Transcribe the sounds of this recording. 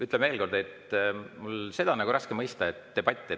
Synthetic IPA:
yt̪ːˑlemeːlko̞rd̪̥e̞t̪mulse̞d̪̥ɑnɑɡuɾɑskemɤjst̪ɑet̪ːe̞b̥ɑt̪ʲˑːe

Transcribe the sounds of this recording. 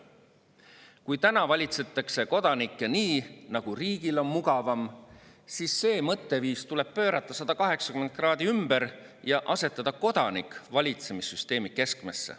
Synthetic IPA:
kujt̪ænɑvɑlʲit̪se̞t̪ːˑɑkse̞ko̞d̪̥ɑnikːˑeniːnɑɡ̥uriːɡ̥ilo̞nmuɡɑvɑm | sisːe̞ːmɤt̪ˑːe̞viːst̪ule̞b̥̚pø̞ːɾɑt̪ːˑɑsɑd̪̥ɑkɑɦe̞ksɑ̥kyment̪̚krɑːd̪iymb̥eɾjɑʔɑse̞t̪ːˑɑd̪ɑko̞d̪̥ɑnikːˑvɑlʲit̪semisːyst̪e̞ːmike̞skmesːḛ

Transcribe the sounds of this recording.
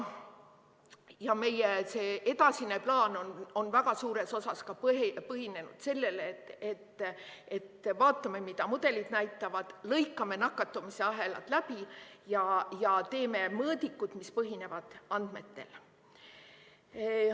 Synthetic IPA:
jɑme̞jese̞ːʔed̪ɑsineplɑːnono̞nvæɡ̥ɑsuːɾe̞so̞sɑskɑppɤɦine̞nud̪̥se̞lːe̞let̪et̪ːe̞t̪ːvɑːt̪ːˑɑmemid̪ɑmud̪̥e̞lid̪̥næjt̪ːˑɑvɑd̪̥lɤjkːˑɑme̞nɑkːˑɑt̪ːumise̞ɑɦe̞lɑ̰t̪læb̥ijɑjɑt̪e̞ːme̞mɤːd̪ikːut̪mispɤɦine̞vɑd̪̥ɑnd̪̥me̞t̪ːe̞̰l

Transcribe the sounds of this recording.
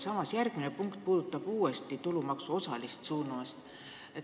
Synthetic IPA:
sɑmɑsjærɡ̥mine̞puŋkt̪̚puːd̪̥ut̪ːˑɑb̥uːe̞st̪it̪ulumɑksuo̞sɑlist̪suːnuɑst̪ | e

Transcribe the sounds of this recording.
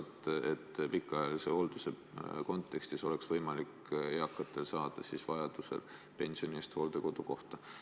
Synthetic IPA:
t̪ːet̪ːpikːˑɑjɑliseho̞ld̪̥use̞ | ko̞nt̪ːˑe̞kst̪iso̞le̞ksvɤjmɑlik | eɑkːˑɑt̪ːˑe̞lsɑːd̪̥ɑsisvɑjɑd̪̥use̞̰l | pe̞nʲsio̞niest̪ho̞ːld̪̥e̞ko̞d̪̥uko̞ht̪ɑ

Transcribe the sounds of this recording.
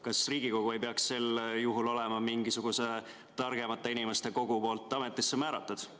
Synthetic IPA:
kɑsriːɡ̥iko̞ɡ̥ue̞jpeɑksːe̞ljuɦulo̞lɛmɑmiŋɡisuɡ̥use̞ | t̪ɑrɡ̥e̞mɑt̪ːˑeinime̞st̪e̞ko̞ɡ̥upo̞ːlt̪ːˑɑme̞t̪ːˑisːe̞mæːɾɑ̰t̪ˑːud̪̥

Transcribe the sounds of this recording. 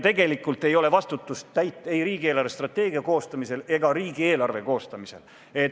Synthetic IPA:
t̪e̞ɡe̞likːˑult̪ːˑe̞jo̞le̞vɑst̪ut̪ːˑust̪ːæjt̪ːˑe̞jɾiːɡ̥ieːlɑrvest̪rɑt̪ːˑe̞ːɡ̥iɑko̞ːst̪ɑmise̞le̞ɡ̥ɑɾiːɡ̥ie̞ːlɑrve̞ko̞ːst̪ɑmise̞̰l | e̞

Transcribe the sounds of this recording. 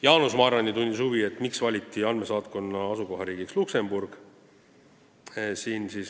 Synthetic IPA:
jɑːnusmɑːɾɑnit̪unʲd̪ʲishuvie̞t̪ːmiksvɑlʲit̪ːˑiɑnme̞sɑːt̪ko̞nːɑɑsuko̞ɦɑɾiːɡikslukse̞mb̥urɡ̥ | siːnsis

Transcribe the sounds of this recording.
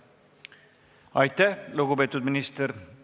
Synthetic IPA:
ɑjt̪ːæhluɡupeːt̪ːud̪minist̪eɾ

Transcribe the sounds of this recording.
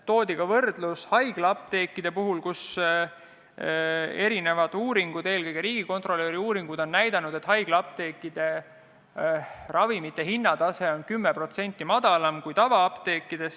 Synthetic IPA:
t̪o̞ːd̪ʲiɡ̥ɑvɤrd̪̥lushɑjɡ̥lɑp̚t̪e̞ːkːid̪̥e̞puɦulkus | e̞ɾine̞vɑd̪̥uːɾiŋɡ̥ud̪e̞ːlkɤjɡ̥eɾiːɡ̥iko̞nt̪ro̞lːeːɾiuːɾiŋɡ̥ud̪̥o̞nːæjd̪ɑnud̪̥e̞t̪ːhɑjɡ̥lɑp̚t̪e̞ːkːid̪̥e̞ | rɑvimit̪ːˑe̞ɦinːɑd̪ɑse̞o̞nkymːepro̞t̪se̞nʲt̪ːˑimɑd̪̥ɑlɑmkujt̪ɑvɑɑpt̪e̞ːkːid̪̥e̞s

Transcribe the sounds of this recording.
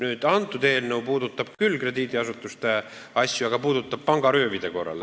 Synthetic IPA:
nyːd̪̥ɑnt̪ːˑut̪e̞ːlnewpuːd̪ut̪ːˑɑb̥kylːkre̞d̪iːd̪iɑsut̪ːˑust̪e | ɑsʲjuɑɡ̥ɑpuːd̪ut̪ːˑɑb̥̚pɑŋɡ̥ɑɾøːvid̪e̞ko̞rːɑ̰l

